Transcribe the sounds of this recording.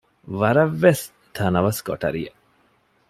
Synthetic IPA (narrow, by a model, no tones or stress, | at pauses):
ʋɐɾɐʋːes | t̪ʰɐnɐʋɐsɡo̰ʈɐ̰ɾḭjɐ